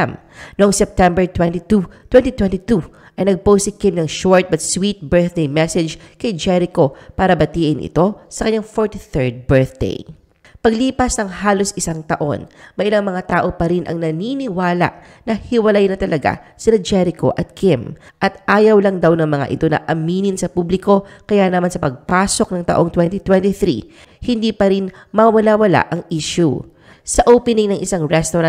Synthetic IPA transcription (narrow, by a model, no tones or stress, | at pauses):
m | noʔɐŋsɛp̚t̪ɛmbɛɹt̪wɛnt̪it̪ut̪wɛnt̪it̪wɛnt̪it̪u | ʔɐjnɐɡ̚powsɪkɪmnɐŋʃoɹt̪̚bɐt̪swit̪̚bɛɹθd̪ejmɛsɛd͡ʒkɐjd͡ʒɛɾɪko̞paːɾɐbɐt̪iːʔɪnʔɪ̰t̪o̞sɐkɐɲɲaŋfoɹt̪iθɛɹd̪̚bɛɹθd̪ḛj | pɐɡliːpɐsnɐŋhaːlo̞sʔɪsaŋt̪ɐʔo̞̰nmɐjʔɪlaŋmɐŋat̪aːʔo̞pɐɾinʔɐ̰ŋnɐninɪwaːlɐ̰ʔ | nɐhɪwɐlajnɐt̪ɐlɐɡa̰sɪnad͡ʒɛɾɪko̞̰ʔɐt̪̚kʰɪm | ʔɐt̪̚ʔaːjɐwlɐŋd̪awnɐŋmɐŋa̰ʔɪ̰t̪o̞nɐ̰ʔɐmiːnɪnsɐpublɪko̞kɐjanɐmansɐpɐɡ̚paːso̞k̚nɐŋt̪ɐ̰ʔo̞ŋt̪wɛnt̪it̪wɛnt̪iθɾḭ | hɪnd̪iːpɐɾinmɐwɐlawɐla̰ʔɐŋʔiʃṵ | sɐʔoːpɪnɪŋnɐŋʔɪsaŋɹɛst̪oɾɐ